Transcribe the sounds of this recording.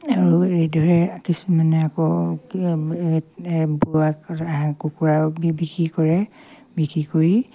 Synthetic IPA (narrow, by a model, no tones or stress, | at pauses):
aɹuedʱɔɹɛkisumanɛakɔ | buakaɦãkukuɹabikɹikɔɹɛ | bikɹikoɹi